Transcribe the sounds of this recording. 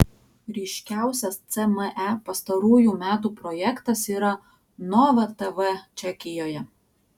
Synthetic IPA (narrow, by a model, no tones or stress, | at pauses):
ɾʲɛɪʃʲkʲæˑʊsʲɛst̪sʲɛmɛʔæpɐst̪ɐɾuːjuːˑmʲæːt̪uːpɾɔjɛkt̪ɐsiːɾɐ | nɔʋɐt̪ɛʋɛt͡ʃʲɛkʲɪjoːjɛ